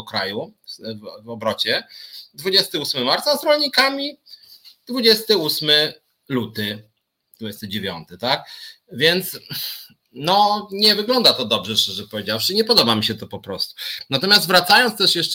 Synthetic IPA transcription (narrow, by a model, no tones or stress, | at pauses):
ɔkɾa̰juvvɔbɾɔt͡ɕɛd̪vud͡ʑɛst̪ɘusmɘmaɾt̪sazɾɔlɲikamʲi | d̪vud͡ʑɛst̪ɘusmɘ | lut̪ɘ | d̪̥vud͡ʑɛst̪ɘd͡ʑevʲjɔ̰nt̪ɘt̪ak | vʲjɛnt̪s | nɔɲɛvɘɡlɔnd̪at̪ɔd̪ɔbʐɛʂt͡ʂɛʐɛpɔvʲed͡ʑafʂɘɲɛpɔd̪ɔbamʲiɕɛt̪ɔpɔpɾɔst̪u̥nat̪ɔmʲjast̪vɾat̪sajɔntst̪ɛʂjɛʂ